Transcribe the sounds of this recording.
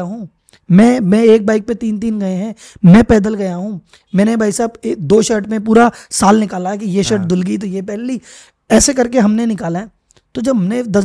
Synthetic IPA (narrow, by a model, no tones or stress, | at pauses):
aɦũː | mɛ̃mɛ̃eːk̚baːɪk̚pet̪iːnt̪̬iːnɡɐeɦɛ̃ː | mɛ̃pɛːd̪əlɡɐjaɦũː | mɛ̃ːnebʱaːɪsaːbd̪oːʃəɾʈmẽpuːɾasaːlnɪkaːlaɦɛkijeʃɐɾʈ̚d̪ʊlɡit̪̬ojepɛːli | ɛːsekɐɾkeɦɐmnenɪkaːlaɦɛ | t̪od͡ʒɐbʱɐmned̪ɐ